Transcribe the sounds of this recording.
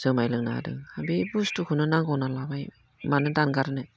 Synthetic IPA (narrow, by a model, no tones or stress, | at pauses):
z̥ɯmajlɯŋnaa̰dɯ̰habibustukʰɯnɯnaŋɡɔwnalabaj | manɯdanɡaɾɯnɯ